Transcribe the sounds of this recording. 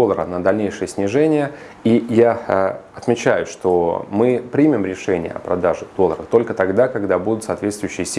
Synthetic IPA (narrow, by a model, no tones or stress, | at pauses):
olˠːəɾə̰nəd̪ɐlʲnʲejʂɨjəsʲnʲɪʐɛnʲɪjə | ijaɐt̪mʲɪt͡ɕæjʊʂt̪omɨpɾʲimʲɪmɾʲɪʂɛnʲɪjə̰ɐ̰pɾɐd̪aʐɨd̪̥o̞lˠəɾə̰t̪o̞lʲkət̪ɐɡd̪akɐɡd̪abud̪ʊt̪saːt̪vʲe̞t̪st̪vʊjʏɕːɪjəsʲ